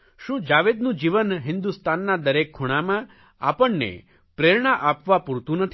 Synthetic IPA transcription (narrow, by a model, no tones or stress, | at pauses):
ʃũd͡ʒaʋed̪nũd͡ʒiʋənɦɪnd̪ust̪anːad̪əɾekʰːuɽ̃amã | apəɳːḛ | pɾeɾɳaʔapʋapuɾt̪ũnət̪ʰi